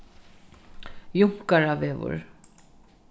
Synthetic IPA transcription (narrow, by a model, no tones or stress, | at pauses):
jʊŋ̥kaɾaveːvʊ̰ɹ